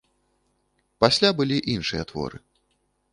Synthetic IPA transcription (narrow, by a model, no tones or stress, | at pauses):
pasʲlʲabɨlʲiʔinʂɨjɐt̪vɔ̰ɾɨ̰